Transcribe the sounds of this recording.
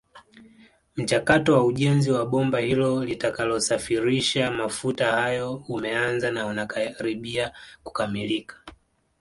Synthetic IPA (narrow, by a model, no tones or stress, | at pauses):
m̩t͡ʃakatɔwauʄɛnziwaɓɔmbahilɔlitakalɔsafiɾiʃamafutahajɔumɛanzanaunakaɾiɓiaku̥kamilikḁ